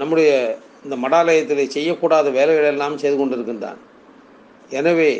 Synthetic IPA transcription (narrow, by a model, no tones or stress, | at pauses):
nɐmːɯɽɐjɐ | ɪnd̪ɐmɐɽaːlɐjɐt̪ːɪlesɛjːɐkːuːɽaːðɐʋeːlɛʋɪlɐɛlːaːmsɛjðɯkɔɳɖɪɾɯkːɯnd̪a̰ːn | ɛnɐʋeː